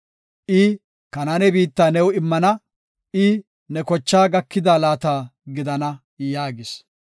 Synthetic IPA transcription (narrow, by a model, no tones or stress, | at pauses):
ʔɪ | kɐnanɛbiːt̪ːaːnɛwɪmːɐnɐ | ʔɪ | nɛkɔt͡ʃːaːɡɐkːɪd̪aːlaːt̪aːɡɪd̪ɐnɐ | jaːɡɪs